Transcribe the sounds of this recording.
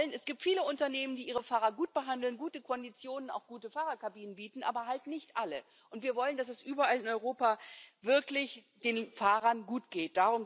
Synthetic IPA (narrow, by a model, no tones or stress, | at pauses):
lənɛsɡ̥iːp̚tfiːləʊntɐneːməndiːʔiːʁəfaːʁɐɡuːt̚b̥əɦandl̩nɡuːtəkʰɔndit͡sjoːnəna̰ʊxɡ̥uːtəfaːʁɐkʰabiːnənbiːtn̩ʔa̰ːbɐɦaltnɪçtʔalə | ʔʊntv̥iːɐvɔləndasɛsʔyːbɐʔalɪnɔʏʁoːpaːvɪɐklɪçd̥eːnfaːʁɐnɡuːtɡ̥eːt̚d̥aʁʊm